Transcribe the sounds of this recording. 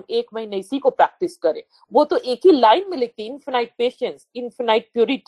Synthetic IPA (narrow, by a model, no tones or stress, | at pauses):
meːkmɐɦĩneɪsikopɾɛːk̚ʈɪskɐɾḛ̃ː | ʋot̪oʔeːkɦilaːɪnmɪlet̪iɪ̃nfənaːɪʈ̚peːʃə̃nsɪ̃nfənaːɪʈ̚pjuːɾɪʈ